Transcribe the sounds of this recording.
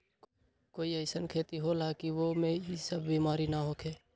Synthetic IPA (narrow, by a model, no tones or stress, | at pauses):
koːiəɪsənkʰeːt̪iɦolakiʋomẽisəbʱbiːmaːɾinaɦokʰeː